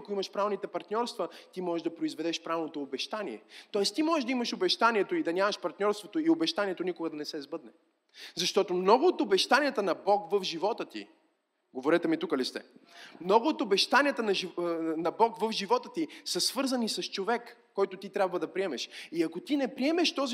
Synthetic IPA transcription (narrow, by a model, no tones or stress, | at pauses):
koimɐʃpɾaɛvnit̪ɛpɐɾt̪nʲɔɾst̪vət̪imɔʒɛʒd̪ɐpɾoizvɛd̪ɛʃpɾavlnot̪oːbɛʃt̪anʲiɛ̰t̪ɔɛst̪imɔʒɛʒd̪ɐiməʃobɛʃt̪aniɛt̪oid̪ɐnʲamɐʃpɐɾt̪nʲɔɾst̪vot̪oiobɛʃt̪aniɛt̪onikoɡəd̪ɐnɛsɛzbɤd̪nɛ | zɐʃt̪ɔt̪omnɔɡoːt̪obɛʃt̪anʲijət̪ənɐbɔkvəfʒivɔt̪ət̪ḭ | ɡovoɾɛt̪ɛmit̪ukɐlist̪ɛ̰mnɔɡoːt̪obɛʃt̪aniət̪ənɐʒinɐbɔkvəfʒivɔt̪ət̪isɐsv̥ɤɾzɐnisɐst͡ʃovɛkːɔjt̪ot̪it̪ɾʲjabvɐd̪ɐpɾiɛmɛʃiɐkot̪inɛpɾiɛmɛʃt̪ɔzi